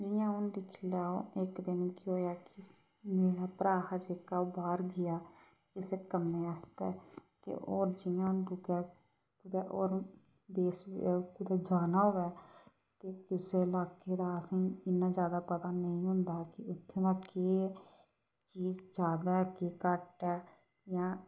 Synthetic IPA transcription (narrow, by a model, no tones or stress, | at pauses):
d͡ʒɪjãːʊnd̪ɪkʰlaːo̰ɪkd̪ɪnkɪoːjaːkɪ | meːɽaːpɾaːɦad͡ʒeːkaːobaːɾɡɪjaː | kɪseːkəmːeːəst̪ɛːt̪ḛʔoːɾd͡ʒɪjãːʊnd̪ʊɡɛː | pʊd̪ɛːʔoːɾ | d̪eːskʊd̪aːd͡ʒaːnaːɦoːʋɛː | t̪eːkʊseːlaːkeːd̪aːəsĩːɪnːaːd͡ʒjaːd̪aːpət̪aːnəĩːɦʊ̃nd̪aːkɪʊt̪ʰːeːd̪aːkeː | t͡ʃiːd͡ʒd͡ʒaːd̪akeːkəʈɛː | jãː